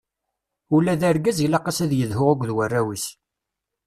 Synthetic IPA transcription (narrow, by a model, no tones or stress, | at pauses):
ulːæðæɾɡæzilɑqɑsæðjəðhʊʁaɡʷðwərːæwiθ